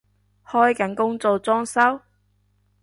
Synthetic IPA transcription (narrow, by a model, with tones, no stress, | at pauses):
hɔː˥jkɐ˨˥nkʊ˥ŋt͡so˨wt͡sɔː˥ŋsɐ˥w